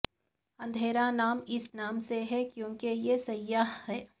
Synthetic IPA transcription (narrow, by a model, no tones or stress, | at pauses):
ɐ̃nd̪ʱeːɾanaːmɪsnaːmseɦɛkjõːkejesɐjːaɦhɛː